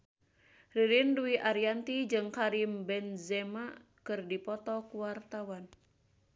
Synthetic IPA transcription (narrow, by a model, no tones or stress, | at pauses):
riɾinduiʔaɾiant̪id͡ʒɨŋkaɾimbɛnzɛma | kɨrdipɔt̪ɔkuwart̪awan